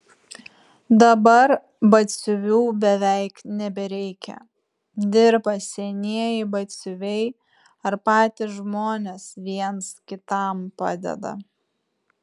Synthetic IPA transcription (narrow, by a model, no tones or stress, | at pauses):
d̪ɐbɐɾ | bɐt̪sʲʊʋʲuːbʲɛʋʲɛɪknʲɛbʲɛɾʲɛɪkʲɛ̰ | d̪ʲɪɾbɐsʲɛnʲiɛjɪbɐt̪sʲʊʋʲɛɪ | ɐɾpɑːt̪ʲɪʒmoːnʲesʋʲiɛnskʲɪt̪ɐˑmpɑ̰ːd̪ʲɛ̰d̪ɐ̰